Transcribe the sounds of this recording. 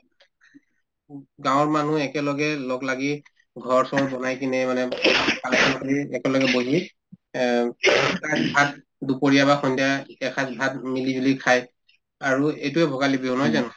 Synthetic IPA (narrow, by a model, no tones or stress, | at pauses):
ɡãwɔɹmanuɛkɛlɔɡɛlɔɡlaɡi | ɡʱɔɹsɔbɔnajkinɛmanɛkasʰɔnkɔiɛkɛlɔɡɛboɦi | tatbʱat̚ | dupoɹijabaxʰɔndaɛkʰatbʱat̚milibulikʰaj | aɹuejtuɛbʱɔɡalibiɔnɦɔjzan